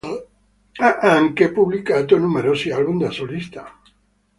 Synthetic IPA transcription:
aʔaŋkepuβlikat̪onumeɾosialβumd̪asolist̪a

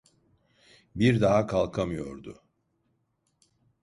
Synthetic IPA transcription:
biɾd̪aɦakʰalˠkʰamɯjo̞̰ɾd̪ʊ

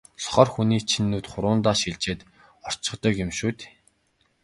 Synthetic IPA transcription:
sɔ̥χɔːrxuniːt͡ɕʰinːuːt̪χʊɾʊːnt̪aːʃiɮt͡ɕeːt̪ | ɔr̥t͡ɕɪ̆χt̪ə̆kjɪmʃuːt̪ː

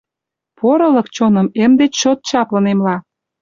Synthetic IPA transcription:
poɾɤ̆lɤ̆kt͡ɕonɤ̆memd̪et͡ɕt͡ɕot̪̚t͡ɕɑplə̆nemlɑ

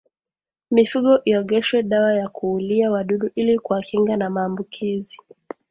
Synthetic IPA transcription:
mifuɠɔʔiɔɠɛʃwɛɗawajakuːliawaɗuɗuʔilikuakiŋɡanamaːmbukʰizi

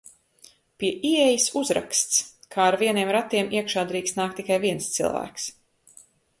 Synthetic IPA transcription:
piɛʔiɛjisuzɾa̰kst̪skʰaːɾviɛniɛmɾat̪iɛmiɛkʃaːd̪ɾiːkst̪naːk̚t̪ːikajviɛnst̪sḭlˠvæ̰ːks

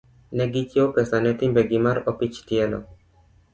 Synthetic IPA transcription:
nɛɡit͡ʃjopɛsanɛt̪imbɛɡimaɾɔpit͡ʃtɪɛlɔ̰

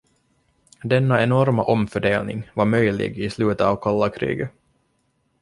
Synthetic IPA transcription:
d̪ɛnːaɛnɔɾmaʔɔmfœɖeːlnɪ̰ŋvaɾmœjlɪ̰ɡɪslʉːt̪əɑːvkʰɑlːakʰɾḭːɡə

